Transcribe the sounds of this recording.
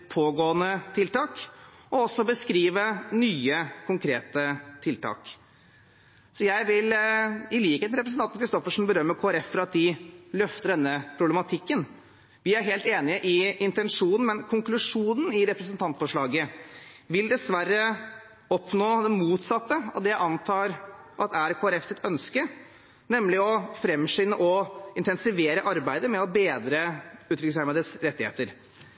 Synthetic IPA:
pʰoːɡoːənət̪ʰɪlt̪ɑːkɔɔsːɔbəskɾiːʋənyːəkʰʊŋkʰɾeːt̪ət̪ʰɪlt̪ʰɑ̰ːk | sɔjæɪʋɪlɪliːkəɾɛpɾsn̩ɑkʰɾɪst̪ɔfəʂn̩bəɾœmːəɾkʰoːæɾɛfːɾɑt̪̚d̪ɪlœft̪əɖɛnːəpʰɾʊblɛmɑt̪ʰɪkːən | ʋɪæɾɦeːlt̪eːnɪəʔɪɪnt̪ɛnʂuːnn̩mɛnkʰʊŋklʉʂuːnən̩ɪɾɛpɾəsənt̪ʰɑnt̪fɔʂɭɑːɡə | ʋɪld̪ɛsʋærːə | ɔpnoːd̪ɛnmuːt̪sɑt̪ːəɑ̰d̪ɛʔɑnt̪ʰɑːɾʔɑt̪æɾkʰoːæɾɛfsɪt̪ʰœnskə | nɛmːlɪɔfɾɛmʂɪnːəʔɔɪnt̪ɛnsɪʋeːɾəʔɑɾbæɪd̪əmɛɔbeːd̪ɾəʉːt̪ɾʏkəshæɾmɑd̪əsɾɛt̪ːɪhḛːt̪əɾ

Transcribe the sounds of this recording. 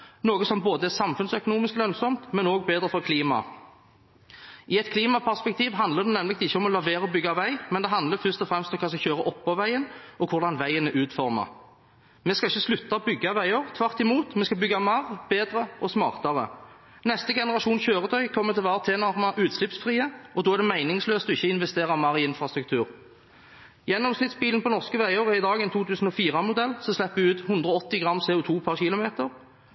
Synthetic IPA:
noːɡəsɔmboːd̪əɛsɑmfʉnsœkʊnuːmɪsklœnsɔmt̪mɛnoːɡ̚beːd̪ɾəfɔɾkʰliːmɑ̰ | ʔɪɛt̪kʰliːmɑpʰæʁspɛk̚t̪ʰiːʋɦɑnd̪ləd̪ɛnɛmlɪɡ̚t̪ɪçːəɔmɔlɑʋeːɾəɔbʏɡːɑʋæɪmɛnd̪ɛɦɑnd̪ləfʏʁst̪ɔfɾɛmst̪ɔmkʰɑːskɑçøːɾəʔɔpːɑʋæɪənɔkʰʊɾd̪ɑnʋæɪənəʔʉːt̪fɔʁmə̰ | mɛskɑɪçːəslʉt̪ːɑɔbʏɡːɑʋæɪəʁt̪ʰʋɑʁt̪ɪmuːt̪mɛːskɑbʏɡːɑmɑʁbeːd̪ʁəʔɔsmɑːʁt̪ɑʁə̰ | nɛst̪əɡɛnəʁɑʃuːnçøːʁət̪ʰœʏkʰɔmːət̪ʰɪlʋɑːʁət̪ʰeːnɑʁmɑʔʉːt̪slɪpsfʁiːəɔd̪oːæʁd̪ɛmæɪnɪŋsløːst̪ɔɪçːəɪnʋɛst̪eːʁɑmɑʁɪɪnfʁɑst̪ɾʁʉk̚t̪ʰʉːʁ | jɛnːɔmsnɪt̪sbiːlnpɔnɔʁskəʋæɪoːʁəɪd̪ɑːɡɛnt̪ʰuːt̪ʉːsn̩ɔfiːʁɑmʊd̪ɛlːsɔslɛpːʋɪʉːt̪hʉnd̪ʁəɔɔt̪ːɪɡʁɑmsɛːʊt̪ʰuːpʰɑʁçɪlʊmeːt̪əʁ

